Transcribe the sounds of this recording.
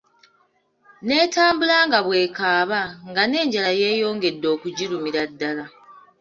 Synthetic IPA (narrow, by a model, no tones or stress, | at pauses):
ne̞ːtaːmbulaːŋɡaβwe̞ːkaːβaŋɡane̞ːɲɟalaje̞ːjo̞ːŋɡe̞dːo̞ːkuɟiɾumiɾadːala